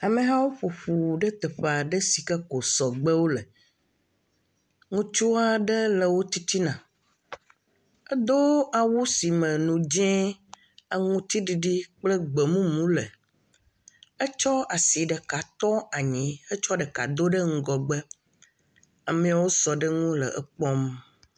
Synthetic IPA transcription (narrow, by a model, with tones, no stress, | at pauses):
a˨mẽ˨ɦã˦wo˦ɸo˨ɸu˨ɖɛ˦t̪ɛ˨ɸe˨a˨ɖə˦si˨kɛ˦ko˨sɔ˨ɡ͡bɛ˦wo˦lɛ˨ | ŋũ˦t͡ʃu˦a˨ɖɛ˦lə˨wo˦t̪i˦t̪i˦nã˨ | ɛ˦d̪o˦a˨wu˦si˨mɛ̃˨nũ˨d͡ʒɛ̃˦ | a˨ŋũ˦t̪i˦ɖi˨ɖi˦k͡plə˦ɡ͡be˨mũ˦mũ˨˦lə˨ | ə˦t͡ʃɔ˦a˨si˨ɖə˨ka˨t̪ɔ˦a˨ɲĩ˨˦ə˦t͡ʃɔ˦ɖɛ˨ka̰˨d̪o˦ɖə˦ŋ̩˦ɡɔ˨ɡ͡bə˦ | a˨mẽ˦a˨wo˦sɔ˨ɖə˦ŋũ˦lə̰˨ʔə˨k͡pɔ˦m